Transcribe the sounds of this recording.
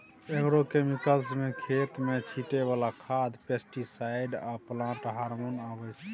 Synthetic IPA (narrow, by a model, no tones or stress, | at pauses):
ekɾokemikəlsmekʰet̪met͡ʃʰiʈeβalakʰad̪pesʈisaɪɖaplãʈɦaɾmonabɛt͡ʃʰɛ̥